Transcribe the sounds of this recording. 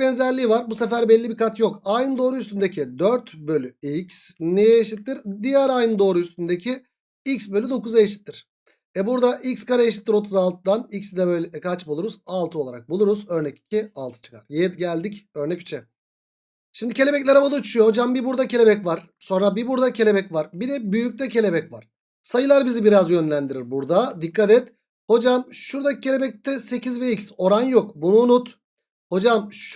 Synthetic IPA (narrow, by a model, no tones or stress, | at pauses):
bɛnzæɾlʲiːvaɾbusefæɾbɛlʲːibikʰat̪jo̞kajnɯnd̪o̞ːɾuyst̪ʰynd̪ecʰid̪øɾt̪bø̞lʲyicsnejɛjeʃit̪ːiɾd̪ijɛɾajnɯnd̪o̞ːɾuyst̪ynd̪ecʰi | icsbø̞lʲyd̪o̞kuzajeʃi̥t̪ʰːiɾ̥ | ɛbuɾd̪aʔicskaɾajeʃit̪ʰːiɾo̞t̪ʰuzalˠt̪ʰɯd̪anicsd̪ɛbøjlʲɛkʰat͡ʃbulˠuɾuzalˠt̪ɯo̞lˠaɾak̚bulˠuɾuzø̞ɾnɛci̥cʰialˠt̪ʰɯ̥t͡ʃʰɯ̥kʰa̰ɾjet̪ɟælʲd̪icø̞ɾnɛcy̥t͡ʃʰɛ | ʃimd̪icʰe̞lʲe̞bɛclʲeɾamad̪ut͡ʃʰyjoho̞d͡ʒambibuɾd̪acʰe̞lʲe̞bɛcvaɾ̥ | so̞nɾabibuɾd̪acʰe̞lʲebɛcvaɾbid̪ɛbyjyc̚t̪ɛcʰe̞lʲe̞bɛcva̰ɾ̥ | sajɯlˠaɾbizibiɾazjø̞nlʲænd̪iɾiɾbuɾd̪ad̪ikːat̪ɛt̪ | ho̞d͡ʒamʃuɾd̪ai̥cʰe̞lʲebɛc̚t̪ʰɛse̞cʰizviicso̞ɾanjokbunuːnut̪ | ho̞d͡ʒamʃ